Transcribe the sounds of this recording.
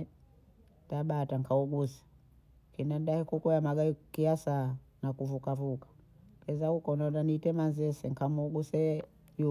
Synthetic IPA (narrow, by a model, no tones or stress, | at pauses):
taɓataŋkauɡusḁ | kinandahɛkukuamaɡakiasanakuvukavukḁ | kɛzahukɔnananitɛmanzɛsɛŋkamuɡusɛ | ju